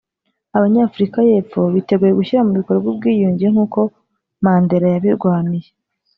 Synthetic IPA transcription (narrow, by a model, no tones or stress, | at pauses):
aβaɲaːfuɾikaje̞ːfo̞βite̞ɡuje̞ɡuʃiɾamuβikoɾebɡwibɡiːjuːɲɟieŋ̥uːko̞ | maːnde̞ɾajaβiɾɡwaːmije